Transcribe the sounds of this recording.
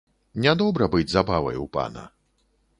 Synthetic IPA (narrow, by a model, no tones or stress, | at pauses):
nʲad̪ɔbɾɐbɨd͡zʲzabavɐ̰jupa̰nɐ̰